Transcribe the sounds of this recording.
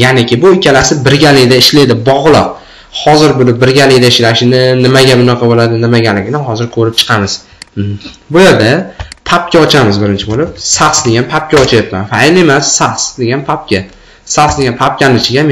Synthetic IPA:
janɪkʲɪbʊɪkʲːalasɪbɪɾɡʲalɪɡʲd̪aɪʃled̪ɪbɒʁlˠɨq̚ | hɒzɪɾbʊlɪbɪɾɡʲalɪɡʲd̪aɪʃlaʃɪnɪnɪmaɡʲamʊnɑqʰɑbolad̪ɪnɪmaɡʲalɪɡʲnɪɦɒzɪɾkʰɵɾɪp̚t͡ʃʰɨ̥qʰɑmɪz̥ | bʊjeɾd̪apʰap̚kʲaɒt͡ʃʰamɪzbɪɾɪnt͡ʃʰɪbolɪp̚saqsd̪e̞ɡʲanpʰap̚kʲaɒt͡ʃʰajapmanfajle̞masːaqsd̪e̞ɡʲanpʰap̚kʲa | saqsd̪eɡanpʰap̚kʲanɪt͡ʃʰɪɡʲam

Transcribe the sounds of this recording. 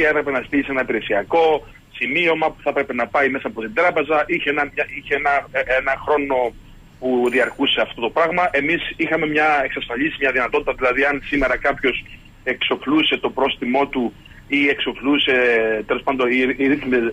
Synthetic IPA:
e̞pɾe̞pe̞nɐst̪iise̞nɐipiɾe̞siɐko̞ | simio̞mɐpu̥θɐpɾe̞pe̞nɐpɐime̞sɐːpot̪ind̪ɾɐpe̞zɐʔiçenɐmɲɐiçeenɐenɐxɾo̞no̞ | puðiɐɾkuse̞ɐft̪o̞t̪o̞pɾɐɣmɐʔe̞misixɐme̞mɲɐe̞ksɐsfɐʎisimɲɐðinɐt̪o̞t̪i̥t̪ɐðilɐðiɐnsime̞ɾɐkɐpço̞s | e̞kso̞pluse̞t̪o̞pɾo̞st̪imo̞t̪u | ie̞kso̞pluse̞t̪e̞lo̞spɐnd̪o̞iiɾiθmi

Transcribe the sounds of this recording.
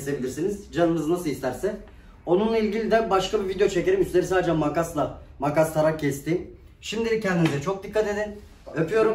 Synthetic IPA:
se̞bilʲiɾsinizd͡ʒanɯmɯzɯnasɯlˠist̪ʰæɾsɛ | o̞nunlˠailʲɟilʲid̪ɛbaʃkʰabivid̪ejo̞t͡ʃʰece̞ɾimyst̪ʲe̞ɾisaːd̪d͡ʒɛmakaslˠamakast̪ʰaɾakcːʰɛst̪in | ʃimd̪iɾicʰɛnd̪imizɛt͡ʃʰo̞k̚d̪ikʰːat̪e̞d̪in | øpʰyjo̞ɾu

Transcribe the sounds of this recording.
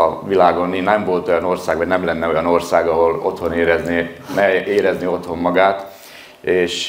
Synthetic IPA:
ɒʋilaːɡo̞nːinɛmvo̞lt̪o̞jɒno̞rsaːɡʋɒɟnɛmlɛnːɛo̞jɒno̞rsaːɡɒɦo̞lo̞̰t̪ho̞neːɾɛznenɛeːɾɛznio̞t̪ho̞mːɒɡaːt̪ | eːʃ

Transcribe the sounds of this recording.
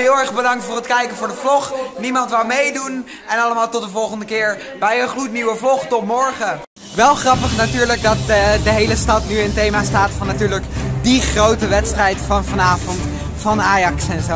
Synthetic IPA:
ɦɪːlˠɛɹχbədɑŋ̚tfʊːrətkɛjkənvʊːɹdəvlɔχnimɑntʋawmejdun | ɛnɑləmaːlˠtɔt̚dəvɔlˠχəndəkɪːɹ | bɛjənχrutniwəvlɔχtɔtmɔɹχə | ʋɛlˠχrɑpəχnatyːɹləɡ̚dɑtdəɦejləstɑtnyəntejmaːstaːtfɑnːatyːɹləkdiχrowtəʋɛtstrɛjtfɑnvɑnaːvɔnt | fɑnaːjɑksɛnzo

